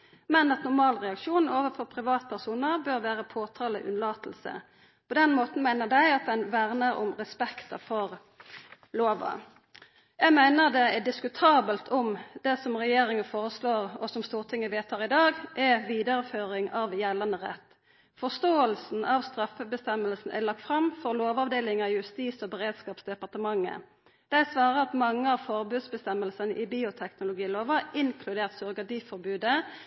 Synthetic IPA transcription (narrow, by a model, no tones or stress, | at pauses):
mɛnɑt̪nʊʁmɑːlʁɛɑkʃuːnoːʋəfɔʁpʰʁɪʋɑːt̪̚pʰæʁsuːnəʁbøɾʋæːʁəpʰoːt̪ʰɑːlə̰ʔʉ̰nlɑːt̪l̩sə̰ | pʰɔd̪ɛnmoːt̪n̩mæɪnəd̪æɪɑt̪̚d̪ɛnʋæʁnəɾʊ̰mʁɛspɛkt̪ɑfɔʁ | loːʋɑ̰ | jæɪmæɪnəd̪ɛæd̪ɪskʉt̪ʰɑːbəlt̪ʰɔmd̪ɛsɔmʁɛjeːɾɪŋənfoːʁəsloːʁɔsɔmst̪uːʁt̪ʰɪŋːəʋeːt̪ʰːɑːʁɪd̪ɑːɡʔɛʋiːd̪əɾəføːɾɪŋɑʋjɛlːɑnəʁɛ̰t̪ː | fɔst̪oːəlsn̩ɑʋst̪ɾɑfəbəst̪ɛməlsn̩ʔɛ̰lɑk̚t̪fʁɑmfɔʁloːʋɑʋd̪eːlɪŋɑɪjʉst̪iːsɔbəʁeːd̪skɑːpsd̪ɛpɑʁt̪əmɑŋːə̰ | d̪̥æsʋɑːʁəɑt̪mɑŋːəɑʋfɔʁbʉːd̪sbəst̪ɛməlsənəʔɪbiːʊt̪ʰɛknʊlʊɡiːloːʋəɪŋkʰlʉd̪eːʁt̪sɔʁɡɑd̪iːfɔɾbʉːd̪ə